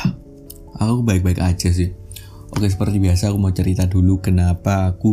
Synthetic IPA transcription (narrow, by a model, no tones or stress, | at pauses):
ʔa̰kuakubaɪk̚baɪkḁd͡ʒ̥as̬ɪh | ʔo̰kes̬əpərt̪ibiasaːkumaut͡ʃəɾit̪adulukənapaːku